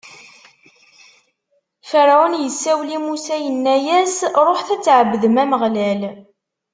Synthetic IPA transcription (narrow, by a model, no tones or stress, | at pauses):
fəɾʕʊnjəsːæwlimusæjənːæjæsɾˤoħθæt͡sːʕəbːðəmæməʁlæl